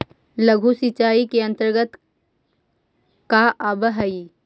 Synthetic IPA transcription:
ləɡʱusit͡ʃaːikeɐ̃nt̪əɾɡət̪ | kaʔaːbəɦəi

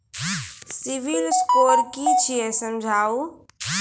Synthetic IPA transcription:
siʋilskoɾkit͡ʃʰijesəmd͡ʒʱau

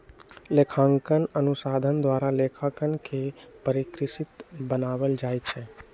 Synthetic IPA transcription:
lekʰãŋkənənusad̪ʱənd̪ʋaɾalekʰakənkepəɾikɾɪsit̪bənaʋəld͡ʒajt͡ʃʰe

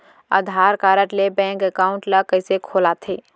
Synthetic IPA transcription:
a̰ːd̪ʱaːɾkaːɾəʈlebɛ̃ːŋkekaːʊ̃ɳʈləkəɪsekʰoːlat̪ʰeː

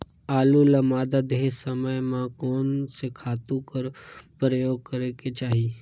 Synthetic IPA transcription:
aːlulamaːd̪ad̪eɦsəməjmãkoːnsekʰaːt̪ũkəɾpɾəjoːɡ̚kəɾeket͡ʃaːɦi

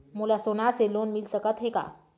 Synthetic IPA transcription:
mulasonaselonmilsəkət̪ɦeka̰

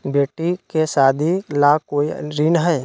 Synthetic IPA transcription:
beːʈikesaːd̪ʱilaːkoːiɾɪnɦɛː

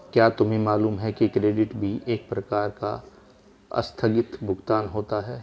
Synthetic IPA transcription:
kjaːt̪ʊmɦẽmaːluːmɦɛkikɾeːɖɪʈbʱiʔeːk̚pɾɐkaːɾka̰ | ɐ̰st̪ʰəɡɪt̪bʱʊɡt̪aːnɦoːt̪aɦɛː

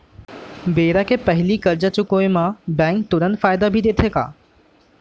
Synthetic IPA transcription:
beːɾakʰeːpɐɦɪlikəɾd͡ʑat͡ɕʊkoːẽmãbɛ̃ːŋk̚t̪ʊɾənd̪faːɪd̪abʱid̪eːt̪ʰeːka̰ː

